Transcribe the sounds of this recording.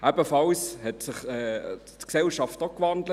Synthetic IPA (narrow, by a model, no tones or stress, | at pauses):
ʔæbəfɑlshɛtsɪχɛː | tksɛlʃɑftɔkvɑndlə